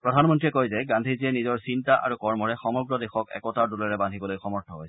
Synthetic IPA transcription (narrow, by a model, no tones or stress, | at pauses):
ppɹɔdʱanmɔntɹiɛkojzɛɡãndʱiziɛnizɔɹsintaʔa̰ɹukɔɹmɔɹɛxɔmɔɡɹɔdexɔkɛ̰kɔtaɹdulɔɹɛbandʱibɔlojxɔmɔɹtʰɔɦojsɛ̥